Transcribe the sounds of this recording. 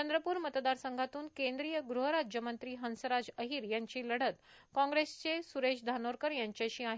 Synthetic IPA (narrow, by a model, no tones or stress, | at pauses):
ənd̪ɾəpuːɾmət̪d̪aɾsəŋɡʱat̪uːnkẽnd̪ɾijəɡɾuɦəɾad͡ʑjəmənt̪ɾiːɦənsəɾad͡zəɦiːɾjaɲt͡ɕiːləɽət̪ | kãŋɡɾest͡sesuɾeɕd̪ʱanoɾkəɾjaɲt͡ɕjaɕiːaɦ